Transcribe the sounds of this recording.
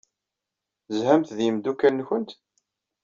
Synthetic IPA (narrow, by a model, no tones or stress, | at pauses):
zhæmθðiəmd̪ukænːçənt̪